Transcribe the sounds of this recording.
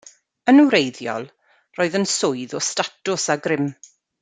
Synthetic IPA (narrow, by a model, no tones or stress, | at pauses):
ənuwɾejðjɔ̰lˠ | roːɨðənsʊɨðɔstatʊsaɡɾɪm